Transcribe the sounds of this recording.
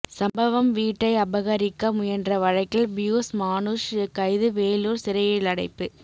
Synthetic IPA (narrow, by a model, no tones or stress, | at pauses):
sɐmbɐʋɐmʋiːʈːɐɪɐbɐɣɐɾɪkːɐmʊjɛndrɐʋɐɻɐɪkːɪlbɪjuːsmaːnuʂkːɐɪðɯʋeːluːɾsɪɾɐjɪlɐɽɐɪpːɯ